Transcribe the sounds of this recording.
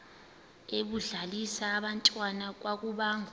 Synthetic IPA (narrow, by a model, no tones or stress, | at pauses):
eɓuɮalisaːɓantʼwanak̬wak̬uɓaːŋ